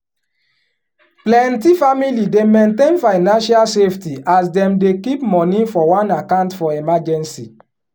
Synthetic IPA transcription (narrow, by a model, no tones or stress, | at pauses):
plɛ̃ntifamilidemẽntẽnfaɪnãnʃalseftiasdɛ̃mdekipmɔ̃nĩfɔwãnakãʊ̃ntfɔɛmad͡ʒɛ̃nsi